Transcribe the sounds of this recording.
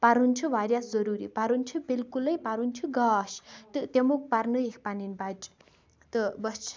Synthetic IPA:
paɾunt͡ʃʰuʋaɾjaszɐɾuɾḭpaɾunt͡ʃʰubilkulɐjpaɾunt͡ʃʰuɡaːʃt̪ɨt̪emuk̚paɾnɨekʰpaninbad͡ʒʼ | t̪ɨbɐt͡ʃʰ

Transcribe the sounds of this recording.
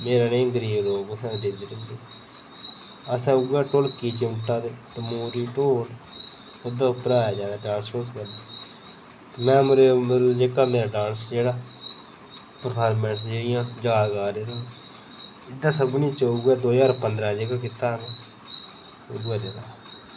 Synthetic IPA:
meːɾaːnẽːɡəɾiːbloːɡəsãːɖɪd͡ʒɪʈəlseː | əsãːʊɡaːʈoːlkiːt͡ʃeʊʈːaːd̪eːt̪emuːɾiːʈoːl | ʊd̪aːʊpəɾaːjaːd͡ʒãːd̪aːɖãːnsoːskəɾd̪aː | t̪emɛ̃ːmʊɾeːməɾd͡ʒeːkaːmeːɾaːɖãːnsd͡ʒeːɽaː | pəɾpʰaːɾmɛ̃ːns̬d͡ʒeːɽɪjãːd͡ʒaːlɡaːɾeːd̪a | ɪd̪ːaːsəbnĩːt͡ʃəuːɡaːd̪oːd͡ʒaːɾpənd̪ɾãːd͡ʒeːkaːkɪt̪aːɦŋɡa | ʊ̰ɡaːd̪eːd̪aː

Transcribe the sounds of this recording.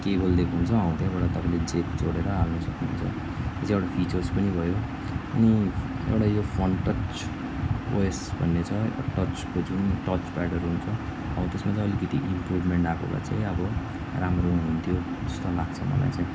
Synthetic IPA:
kebʌld̪ekʰɦunt͡sʰʌʌaw̃t̪ʰjabaɽat̪ʌpãĩled͡zekd͡zoɽeɾʌɦalnʌsʌkniunt͡sʰʌ | t̪et͡sʰĩewɽapʰit͡sʌrspʌnibʱʌjo | ʌ̰ni | ḛwʈajopʰʌnʈʌt͡s | o̰esbʱʌnːet͡sʰʌʈʌt͡skod͡zunʈʌt͡spaɽʌrɦunt͡sʰʌ | ʌ̰bʌt̪esmat͡sãʌlikʌt̪iʔimprubʱmeɳʈakoka̰t͡saj̃ʌbʌ | ramronɦunt̪ʰjo | d͡zʌst̪olaɡ̚t͡sʰʌmʌ̰la̰jt͡saĩ

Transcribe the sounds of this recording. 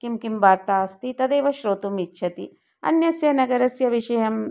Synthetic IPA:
kimkimbaːɾt̪aːɐst̪it̪ɐd̪eːʋɐʃɾoːt̪umitːʃʰɐt̪i | ɐ̰njɐsjɐnɐɡɐɾɐsjɐʋiʃɐjɐm

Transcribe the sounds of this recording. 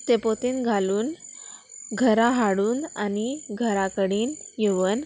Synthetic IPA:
t̪epot̪iːnɡʱaluːn | ɡʱəɾaɦaɽuːnaniɡʱəɾakəɽiːnjeʋən

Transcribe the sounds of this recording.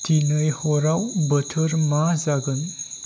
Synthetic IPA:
t̪inəjhoɾawbət̪ʰəɾmazaɡən

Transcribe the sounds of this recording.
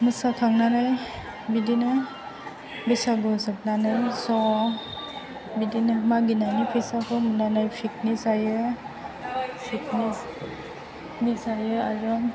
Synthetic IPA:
mɯsakʰaŋnanaj | bidinɯ | bisaɡɔsɯk̚nanajsɔ | bidinɯmaɡinanipʰisakʰɔmɯnanajpʰik̚nisajɯ | sʰik̚nis | nisajɯazɔ

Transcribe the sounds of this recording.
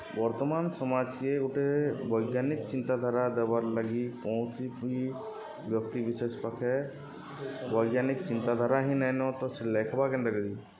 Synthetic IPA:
ʋɐɾt̪əmaːnsɐmaːd͡ʒkeʊʈeʋɐɪɡjaːnɪkt͡ʃɪ̃nt̪ad̪ʱaɾad̪əbəɾləɡikɔ̃ːsii | ʋjəkt̪ibɪseːspɐkʰɛ | ʋɐɪɡjaːnɪkt͡ʃɪ̃nt̪ad̪ʱaɾaɦinɛnot̪oseleːkʰbakenɾəɡd̪i

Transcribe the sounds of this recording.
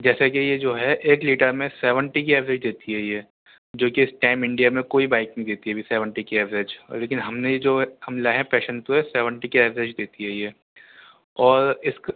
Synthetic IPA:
d͡ʒɛːsekijed͡ʒoːɦɛʔeːkliːʈəɾmẽsɛːʋə̃ɳʈik̬iɛːʋɾed͡ʒd̪eːt̪iɦɛjeː | d͡ʒoːkiɪsʈãɪmɪ̃ɳɖijamẽkoːibaːɪknɐɦĩd̪eːt̪iɦɛbʱisɛːʋə̃ɳʈikiɛːʋɪɾed͡ʒleːkɪnɦɐmnejed͡ʒoːhɐmlaɦɛ̃pɛːʃənt̪oɦɛsɛːʋə̃ɳʈikiɛːʋɪɾed͡ʒd̪eːt̪iɦɛjeː | ɔːɾɪsk

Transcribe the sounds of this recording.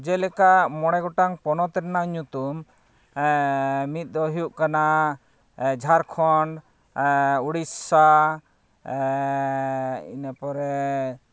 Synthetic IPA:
d͡ʒɛlɛkamɔɽ̃ɛɡɔʈaŋpɔnɔt̪ɛɾnaɲut̪um | mit̪̚ˀd̪ɔɦijuʔkana | d͡ʒʱaɾkʰɔɳɖ | uɽissa | ḭnapɔɾɛ

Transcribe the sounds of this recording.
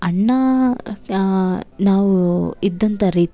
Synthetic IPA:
ɐɳːɐ | naːʋuid̪ːɐnt̪ɐɾiːt̪

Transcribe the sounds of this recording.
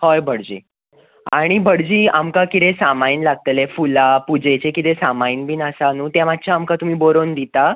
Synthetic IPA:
hojbʱəɽd͡ʑḭː | aɽ̃ibʱəɽd͡ʑiːamkakit̪esamainlaɡ̚t̪lefulapud͡ʑet͡ɕekit̪esamainbʱiːnəsanuːt̪jamat̪̚ːt͡ɕʰaaːmkat̪um̤iːboɾond̪it̪a

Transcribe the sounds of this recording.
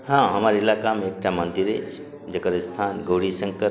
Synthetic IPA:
hãɦəməɾilakameek̚ʈʰamənd̪iɾet͡ʃʰ | d͡ʒəkəɾst̪ʰanɡoɽisə̃ŋkəɾ

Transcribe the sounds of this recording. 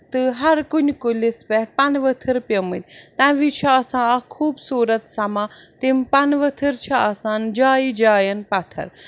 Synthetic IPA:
t̪ɨɦɐɾkunʲkulispɛpɐnʋət̪ʰɨɾpjɐmɨlʲt̪ãʋit͡ʃʰɐaːsãːɐkʰuːbsuːɾɐt̪sɐmãːt̪impɐnʋət̪ʰɨɾt͡ʃʰɐaːsaːnd͡ʒaːid͡ʒaːjɐnpɐt̪ʰɐ̰ɾ

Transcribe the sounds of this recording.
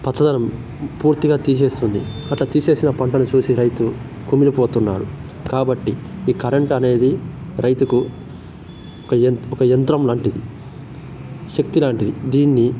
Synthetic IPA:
pɐt͡ʃʰːɐd̪ɐnɐm | puːɾt̪iɡaːt̪iːse̞ːst̪und̪ḭɐʈlɐt̪iːse̞ːsinɐpɐɳʈɐnut͡ʃuːsiɾɐjt̪u | kuminipoːt̪unːa̰ːɽu | kaːbɐʈːiiːkɐɾeɳʈɐne̞ːd̪iɾʔɐjt̪uku | ɔkɐnɔkɐjɐnt̪ɾɐmlaːɳʈid̪i | ʃɐk̚t̪ilaːɳʈid̪id̪iːnːi

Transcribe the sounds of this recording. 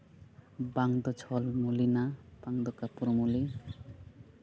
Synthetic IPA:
baŋd̪ɔt͡ʃʰɔlmulinapaŋd̪ɔkapuɾmuli

